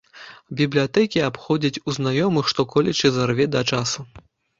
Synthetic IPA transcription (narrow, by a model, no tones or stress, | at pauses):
bʲiblʲijat̪ɛkʲiapxɔd͡zʲɐt͡sʲuznajɔmɨxʂt̪ɔkɔlʲɛt͡ʃɨzarvʲɛd̪ɐt͡ʂasu